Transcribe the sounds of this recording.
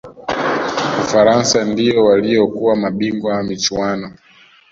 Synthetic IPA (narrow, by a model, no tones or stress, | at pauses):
ufaɾansandijɔwalijɔkuwamaɓiŋɡwaamit͡ʃwanɔ